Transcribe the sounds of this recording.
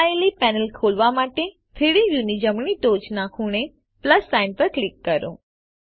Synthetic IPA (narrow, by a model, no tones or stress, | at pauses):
elipɛnəlkʰolʋamaʈe | t̪ʰeɽijunid͡ʒəmɳiʈot͡ʃnakʰuɳ̃e | pləsːaɪnpəɾklikːəɾõ̰